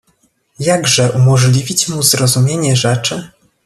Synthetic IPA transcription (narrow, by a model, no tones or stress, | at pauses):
jaɡʐɛʔumɔʐlʲivʲit͡ɕmuzɾɔzumʲjeɲɛʐɛt͡ʂɘ